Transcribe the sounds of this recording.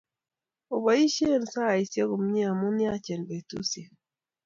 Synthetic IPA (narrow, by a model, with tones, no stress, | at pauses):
o˨ba˨˦i˦ʃe˦˨n˨sa˦˨i˨sje˦ɡo˨m˦ɲi˦a˨mʊ˦nja˦t͡ʃe˨nbe˨tṵ˦se˨